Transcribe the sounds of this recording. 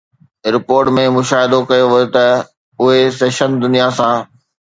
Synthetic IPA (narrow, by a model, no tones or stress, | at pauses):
ɾɪpoːɾʈmẽmʊʃaːɦɪd̪okɐjoʋʊjot̪ɐ | ʊɦeseːʃənd̪ʊnijasãː